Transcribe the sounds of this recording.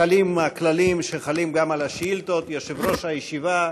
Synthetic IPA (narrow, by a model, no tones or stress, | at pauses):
alimaklalimʃeχalimɡamalaʃilt̪ot̪jaʃivɾo̞ʃhajeʃiva